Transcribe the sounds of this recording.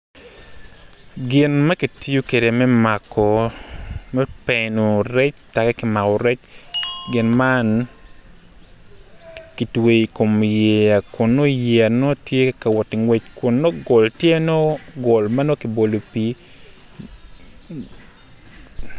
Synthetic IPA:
ɡɪ˨nma˦ki˨ti˦jo˦ke˨ɾe˨mɛ˦makɔ˨ | mɛ˦pɛ˨no˨ɾɛ˦t͡ʃta˨kɛ˦kɪ˨ma˨ɔ˨ɾɛ˦t͡ʃɡɪ˨nman | ki˨twe˨i˨ko˨mje˨a˨kʊ˨nːɔ˦jea˨nɔ˦tje˦ka˨wɔ˨tɪ˨ŋwe˦t͡ʃkʊ˨nːɔ˦ɡɔ˨ltje˦nɔ˦ɡɔ˨lma˦nɔ˦ki˨bo˨lo˨pi˨

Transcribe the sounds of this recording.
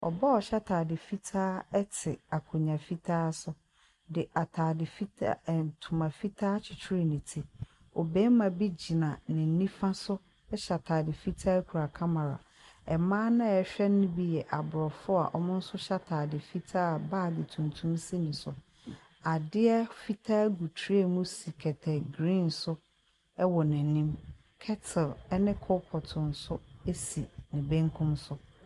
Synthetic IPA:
ɔ̰˨ba˦ɔ˨ɕa˦tʰaː˨dɪ˨fi˦tʰaː˦ɛ˦tʰɪ˨a˨kʰʊ˨ɲã˨fi˦tʰaː˦sʊ˦ | dɪ˨ʔa˨tʰaː˨dɪ˨fi˦tʰa̰˦˨n˨tʰũ˨mã˨fi˦tʰaː˦t͡ɕʰɪ˨t͡ɕʰɪ˦ɾi˨nĩ˨tʰɪ˦ | ɔ˨bɛː˦mã˨bi˦d͡ʑi˨nã˨nɪ̃˨n̩˦nĩ˦fã˦sʊ˦ | ɛ˦ɕa˨tʰaː˨dɪ˨fi˦tʰaː˦kʰu˨ɾa˨kʰã˦mã˨ɾa̰˨ | ɛ˨mãː˦nã˦ɛ˨ɕᶣɛ˦nʊ̃˦bi˦jɛ˨ʔa˨bʊ˨ɾɔ˨fʊ˦a̰˨ʔɔ˨mʊ̃˦n̩˦sʊ˦ɕa˦tʰaː˨dɪ˨fi˦tʰa˦a˨baː˦˨dɪ˨tʰũ˨ntʰũ˦msi˦nĩ˨sʊ˨ | a˨dɪ˦ɛ˦fi˦tʰa˦ɡu˨tʰi˦e˦mũ˦si˨kʰɛ˨tʰɛ˨ɡɾĩ˦˨nsʊ˦ | ɛ˦wɔ˨nɪ̃˨nĩ˦m | kʰɛ˦tʰɪ˨lɛ˦nɪ̃˦kʰɔ˦pʰɔ˨tʰʊ̃˨n̩˨sʊ˦e˦si˨nɪ̃˨bẽ˦ŋ˦kʰʊ̃˦msʊ˦

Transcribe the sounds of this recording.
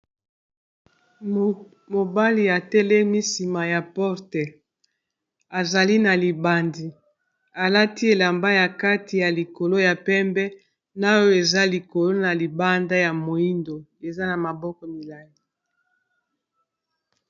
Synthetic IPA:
mo˨ba˦li˨a˨tɛ˦lɛ˦mi˦si˨ma˨ja˨pɔ˦ʁtɛ˨ | a˨za˨li˦na˨li˨ba˨ndi˨ | a˨la˦ti˦e˨la˨mba˦ja˨ka˦ti˨ja˨li˨ko˨lo˦ja˨pɛ˦mbɛ˦ | na˦jo˦e˨za˦li˨ko˨lo˦na˨li˨ba˦nda˦ja˨mo˨i˦ndo˨e˨za˦na˨ma˨bɔ˦kɔ˨mi˨la˨ŋi˦

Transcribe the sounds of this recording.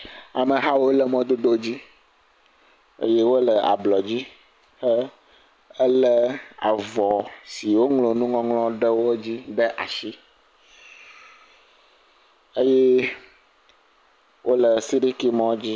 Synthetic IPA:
a˨mə̃˨ɦa˦wo˦lɛ˨mɔ̃˦d̪o˦d̪o˦d͡ʑi˦ | ḛ˦je˦wo˦lɛ˨a̰˨blɔ˨d͡ʑi˦ | xə˦ | ə˦lɛ˦a̰˨vɔ˨si˨wo˦ŋlo˨nũ˦ŋɔ̃˦ŋlɔ̃˦ɖə˦wo˦d͡ʑi˦ɖɛ˦ʔa̰˨ʃi˦ | e˦je˦ | wʔo˦lə˨si˦ɾi˦ki˦mɔ̃˦d͡ʑi˦

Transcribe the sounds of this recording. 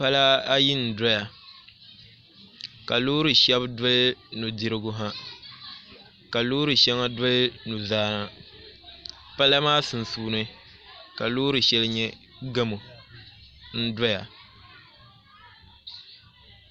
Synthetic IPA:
pa˦la˦a˦ji˦n̩˨da˦ja˨ | ka˨loː˦ɾɨ˨ʃɛ˦bdʊ˦lnu˨di˦ɾɪ˦ɡʊ˦ɦa˦ | ka˨loː˦ɾɨ˨ʃɛ˦ŋa˦dʊ˦lnu˨zaː˦na˨ | pa˦la˦maː˦sɨ˨n˨suː˦nɨ˦ | ka˨loː˦ɾɨ˨ʃɛ˦lɲɛ˦ | ɡɨ˦mo˨ | n̩˦da˦ja˨

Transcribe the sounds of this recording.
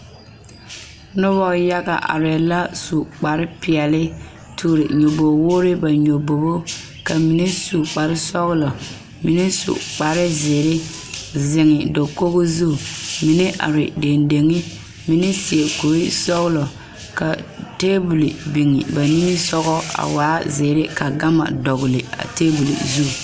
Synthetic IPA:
nʊ˦βɔ˦ja˦ɡa̰˨ʔa̰˨ɾɛ˨la˦su˨k͡pa˨ɾɪ˦pɪ˨ɛ˨lɪ˦ | tʰuː˨ɾɪ˨ɲo˨bo˨wo˦ɾɪ˦ba˨ɲo˨bo˨bo˦ | ka˨mi˨ne˦su˨k͡pa˨ɾɪ˦sɔ˦ɣlɔ˨ | mi˨ne˦sṵ˨k͡pa˨ɾɪ˦ze˨ɾɪ˦zɪ˨ŋɪ˨do˨ko˦ɣo˦zu˦˨mi˨nɛ˦ʔa̰˨ɾɪ̰˨de˨nde˨ŋɪ˦ | mi˨nɛ˦si˨e˨ko˨ɾɪ˦sɔ˦ɣlɔ˨ | ka˨teː˦bu˨li˨bi˨ŋɪ̰˨ba˨ni˦nɪ˦sɔ˦ɣɔ˦a̰˨waː˨˦zɪː˨ɾɪ˦ka˨ɡa˦ma̰˨dɔ˨ɣʊ˨lɪ˨a̰˨teː˦bu˨lḭ˨zu˦˨

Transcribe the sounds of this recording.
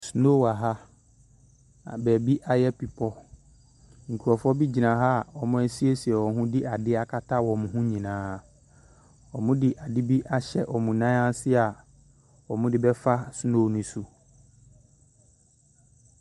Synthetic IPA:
su˨no˦˨wa˨ɦa˦ | a̰˨bɛː˨bi˦ʔa˦jɛ˦pi˨pʰɔ˦ | ŋ̩˨kʰu˨ɔ˨fɔ˦bi˦d͡ʑi˨nã˨ɦa˦˨ɔ˨mʊ̃˦æ˦si˦e˦si˨ɛ˨wɔ˨ɦʊ̃˦di˦a˨dɪ˦a˨kʰa˦tʰa˦wɔ˨mʊ̃˨ɦũ˦ɲĩ˨nãː˨˦˨ | ɔ˨mʊ̃˦dɪ˨ʔa˨di˦bi˦ʔa˦ɕɛ̰˨ʔɔ˨mũ˨nã˦a˦n˦sɪ˦a˨ | ɔ˨mʊ̃˦dɪ˦bɛ˦fa˦su˦noː˦˨nʊ̃˦su˨

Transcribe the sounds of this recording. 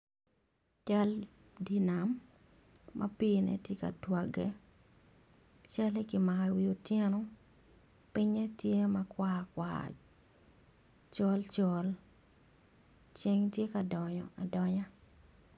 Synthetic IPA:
t͡ʃa˦l | di˦na˨mː | a̰˦pi˦nɛ̰˦tje˦ka̰˨twa˨ɡɛ˦ | t͡ʃa˦le˦kɪ˨ma˨ka˨wio˨tje˦nɔ˦ | pɪ˦ɲɛ˦tje˦ma˦kwaː˦kwa̰ | t͡ʃɔ˦lt͡ʃɔ˦l | t͡ʃe˦ŋtje˦ka˨dɔ˨ɲɔ̰˨a˨dɔ˦ɲa˦

